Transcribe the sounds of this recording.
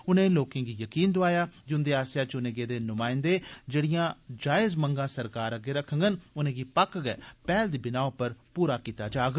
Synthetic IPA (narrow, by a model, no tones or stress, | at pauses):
ʊnẽːloːkɪ̃ːɡiːjəkiːnd̪oaːjaːd͡ʒʊnd̪eːaːsjaːt͡ʃʊneːɡeːd̪eːnʊmaːɪ̃nd̪eːd͡ʒeːɽɪjãːd͡ʒaːɪzməŋɡãːsəɾkaːɾəɡeːɾəkʰːə̃ŋɡənʊnẽːɡiːpəkɡɛ̰ːpɛːld̪iːbɪnaːoːpəɾpuːɾaːkiːt̪aːd͡ʒaːɡ